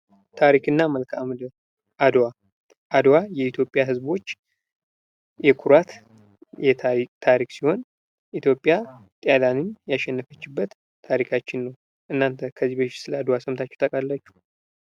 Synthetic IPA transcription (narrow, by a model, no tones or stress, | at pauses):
t̪ʰaɾikʰɨnːaməlkʰamd̪əɾ | ʔad̪wa | ʔad̪wajɛit̪ʰjo̞pʼːjaɦɨzbo̞t͡ʃː | jɛkʰuɾat̪ | jɛt̪ʰait̪ʰaɾiksiho̞n | ʔit̪ʰjo̞pʼːjat̪ʼjalanɨnjaʃɛnːəfət͡ʃːɪbːət̪ʰː | aɾikʰat͡ʃːɪnːəw | ʔɨnːant̪ʰəkʰəzːibəʃsɨləad̪wasəmt̪ʰat͡ʃːɛ̥t̪ʰʼəkʼalːat͡ʃːu̥